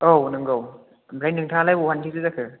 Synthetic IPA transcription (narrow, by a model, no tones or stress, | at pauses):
ownɯŋɡaw | bɾajnːɯŋtʰalajbuhantʰizɯzakʰɯ